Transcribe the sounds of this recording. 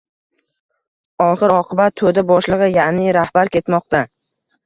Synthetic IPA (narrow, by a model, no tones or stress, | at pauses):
ɒχɨɾɒqʰɨbat̪̚ʰːod̪abɒʃlˠɨʁɨjaʔnɪɾahbaɾkʲe̞t̪mɒq̚t̪a